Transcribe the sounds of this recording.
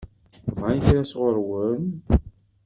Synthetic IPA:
vʕajθɾæsʁoɾwən

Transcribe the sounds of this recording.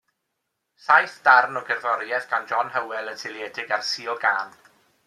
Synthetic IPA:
ɬajθd̥arnɔɡɛrvɔɾjɛðɡ̥and͡ʒɔnhəwɛlˠətʰɪlˠjɛːdɪɡarsiɔɡaːm

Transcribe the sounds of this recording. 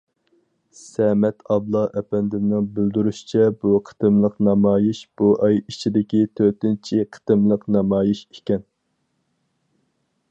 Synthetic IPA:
sɛmɛt̪ʰɑblˠɑʔɛpɛnd̪ɪmnɨŋbɪld̪yɾyʃi̥t͡ʃʰɛbuqʰə̥t̪ɨmlˠəqnɑmɑːjiʃb̥uʔɑjit͡ʃʰid̪ɪkʲit̪ʰøt̪ɪnt͡ʃʰiqʰə̥t̪ɨmlˠəqnɑmɑːjiʃikʲɛn

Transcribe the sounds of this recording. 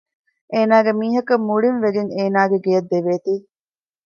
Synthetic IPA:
eːnaːɡemiːɦɐkɐmːuɭinʋeɡeŋeːnaːɡeɡejɐd̪ːeʋeːt̪iː

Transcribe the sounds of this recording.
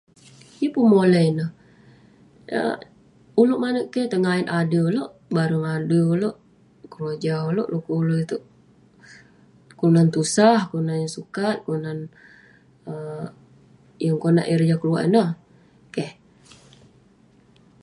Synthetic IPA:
jəpumoləinəh | ə̰ | uloʔmanəʔkɛht̪əŋainʔadəuloʔ | baɾəŋadəuloʔ | kəɾad͡ʒaɦuloʔlokuuloʔit̪uʔ | kulunant̪usahkunanjaŋsukat̪̚kuunan | ə | jaŋkona̰ʔiɾd͡ʒakəlua̰ʔḭnah | kɛh

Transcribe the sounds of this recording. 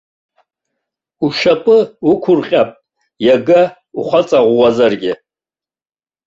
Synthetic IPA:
uʃapʼɨukʷʰʊrqʲʼapʼ | jaɡa | uχʷat͡sʼaʁʷːazarɡʲɪ

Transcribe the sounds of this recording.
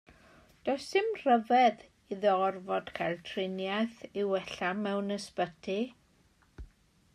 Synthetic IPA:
d̥osɨmr̥əvɛð | iðɔɔrvɔd̥kʰajlˠtʰrɪnjajθiwɛɬamɛwnəspətʰi

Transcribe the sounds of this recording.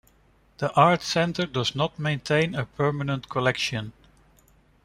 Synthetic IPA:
ð̥iʔɑɹtsɛ̃ntə˞dʌznət̚mẽɪ̃ntʰẽɪ̃nəpʰɜ˞mənə̃ntkʰɔlɛkʃɨ̃n

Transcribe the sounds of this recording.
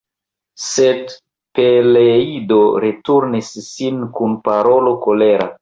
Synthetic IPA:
sed | peleidoɾetuɾnisːinkunpaɾo̞lo̞ko̞le̞ɾa̰

